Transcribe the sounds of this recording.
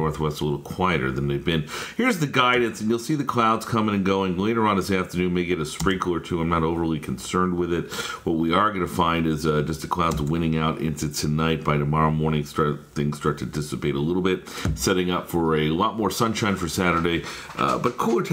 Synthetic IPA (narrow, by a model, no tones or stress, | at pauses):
ɔɹθwɛstəlɪɾl̩ˠkʰw̥aɪɨɾə̰˞ðɨ̃nðeɪvbɪ̃nhiɹzðɨɡaɪdⁿn̩sɨ̃n̩jul̩ˠsiðɨkʰl̥aʊdz̥kʰʌ̃mɪ̃ŋɨ̃nɡoʊɪ̃ŋleɪɾə˞ə̃nðɪsæftə˞nʉ̃nmeɪɡɛɾɨspɹɪ̃ŋkl̩ˠə˞tʰʉãɪ̃mnəɾoʊvə˞lˠikʰn̩sɜ̃˞nd̚wɪðɪt̚wʌt̚wiə˞ɡʌnɨfãɪ̃ndɪzd͡ʒʌsðɨkʰl̥aʊdzwɪ̃ñɪ̃ŋaʊɾɪ̰̃nsɨtʰɨnaɪt̚b̥aɪɾɨmɑɹoʊmɔɹnɪ̃ŋstɑɹθɪ̃ŋz̥stɑɹtʰɨdɪsɨpeɪɾəlɪɾl̩ˠbɪt̚sɛɾɪ̃ŋʌpfə˞ɨlɔt̚mɔɹsʌ̃nʃãɪ̃nfə˞sæɾə˞deɪ̰ | bʌt̚kʰulˠə˞tʰ